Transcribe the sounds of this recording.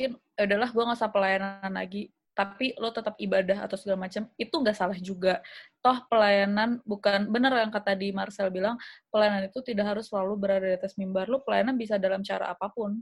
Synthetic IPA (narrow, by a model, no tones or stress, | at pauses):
kɪn | audalaɦɡuaŋasapəlajanaanla̰ɡi | t̪apilot̪ət̪ap̚ibadaɦa̰t̪awsəɡɾamat͡ʃamit̪uŋɡaʔsalahd͡ʒuɡat̪ɔhpəlajananbukanbənərjaŋkat̪adimarsɛlbilaŋpəlajananit̪ut̪idaʔɦaɾʊsəlalubəɾadadiat̪asmimbarlopəlajananbis̬adalamt͡ʃaɾa̰ʔa̰papʊn